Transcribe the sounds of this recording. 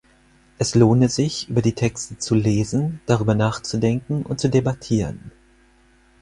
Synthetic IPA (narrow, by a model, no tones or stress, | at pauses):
ʔɛsloːnəzɪçʔy̰ːbɐdiːtʰɛkstət͡suleːzn̩d̥aʁ̞yːbɐnaːχt͡sudɛŋkŋ̩ʊ̰nt̚t͡sudebatʰiːʁən